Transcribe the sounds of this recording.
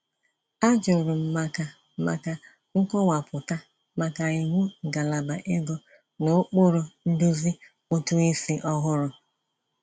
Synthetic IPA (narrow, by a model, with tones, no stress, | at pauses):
a˦d͡ʒʊ˨ɾʊ˨m̩˨ma˨ka˨ | ma̰˨ka˨ | ŋ̩˦kɔ˦wa˨pʊ˨ta˦ | ma˨ka˨i˨ŋʷu˦˨ɡa˨la˨ba˨ʔe˦ɡo˦ | no˨˦k͡po˦ɾʊ˨n̩˦du˦zi˦ | o˦tu˦i˦si˦ʔɔ˦ɦʊ˦ɾʊ˨